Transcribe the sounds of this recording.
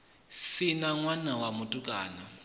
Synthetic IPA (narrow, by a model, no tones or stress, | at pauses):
sinaŋwanawamutʼukʼa̰ːna